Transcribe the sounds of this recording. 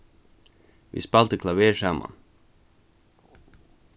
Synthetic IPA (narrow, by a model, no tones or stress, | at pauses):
ʋḭːspɑlt̪əkʰlɑʋeːʃæmʔɑ̰n